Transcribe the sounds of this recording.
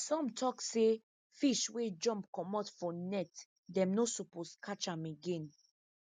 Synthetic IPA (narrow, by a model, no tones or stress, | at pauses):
sɔ̃mtʰɔkse | fiʃwed͡ʒɔ̃mpkɔmɔtfɔnɛt | dɛ̃mnosuposkʰat͡ʃãmeɡẽn